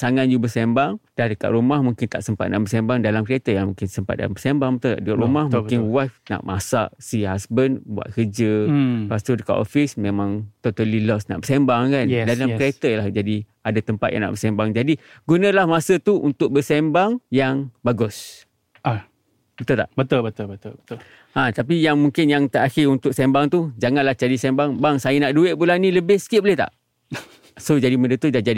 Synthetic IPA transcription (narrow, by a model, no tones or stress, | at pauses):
saŋat̪̚d͡ʒubəsembaŋd̥adəka̰ʔ̪ɾumahmũŋkɪnt̪a̰ʔsəmpat̪̚na̰ʔbəsembaŋdalamkɾiet̪əjaŋmuŋkɪnsəmpat̪̚da̰lambəsembaŋbət̪ut̪aʔdəkaʔɾumahmuŋkɪnwafna̰ʔmasa̰ʔsiɦasbənbua̰t̪̚kərd͡ʒəpast̪udəka̰ʔo̰fɪsmẽmãŋt̪ot̪alilɔsna̰ʔbəsembaŋkandalakɾiet̪əlahd͡ʒadi | adat̪əmpat̪jã̰ŋna̰ʔbəsɛmbaŋd͡ʒadi | ɡunə̃lahmasət̪uʔunt̪ʊk̚bəsɛmbaŋjaŋbaɡʊs | a | bət̪ult̪a̰ʔbət̪ʊlbət̪ulbət̪ʊlbət̪ʊl | ʔãt̪ap̬ijaŋmuŋkɪnjaŋt̪əʔaxɪunt̪ʊk̚sɛmbaŋt̪ud͡ʒaŋãnlaht͡ʃadisɛmbaŋbaŋsajənaʔduɪʔ̚bulanĩləbɪhsə̥kiɪʔ̚bəlet̪a̰ʔ | sod͡ʒadimədət̪udad͡ʒadi